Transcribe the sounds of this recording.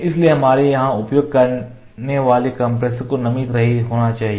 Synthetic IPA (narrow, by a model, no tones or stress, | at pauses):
ɪslieɦɐmaːɾijɐɦãʊpjoːɡ̚kɐɾ | neʋaːlekɐ̃mpɾeskonɐmiːt̪ɾɐɦiɦoːɽ̃at͡ʃaːɦie